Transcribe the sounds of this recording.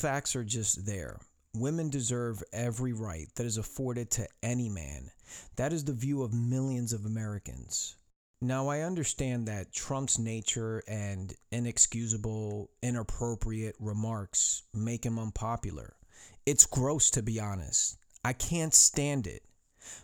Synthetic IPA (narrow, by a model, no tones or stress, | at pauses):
fæk̚tsə˞d͡ʒʌst̪̚ðə̰˞ | wɪ̃mɨ̃ndɨzɜ˞vɛvɹiɹaɪt̪̚ðɨɾɨzəfɔɹɾɨd̚tʰɨɛnimæ̰̃nðɨɾɨzðɨvjʉʌvmɪlˠjɨ̃nzʌvəmɛɹɨkɨ̰̃nz̥ | naʊaɪʌ̃ndə˞stæ̃nðɨtʰɹ̥ʌ̃mpsneɪt͡ʃə˞ɨ̃nɪ̃nɨkskjʉzɨbl̩ˠɪ̃nəpʰɹ̥oʊpʰɹiɨt̚ɹɨmɑɹksmeɪkɨ̃mʌ̃npʰɑpjl̩ˠə̰˞ɨtsɡ̥ɹoʊstʰɨbiɑnɨ̰staɪkʰæ̃ntstæ̃ndɪ̰t̚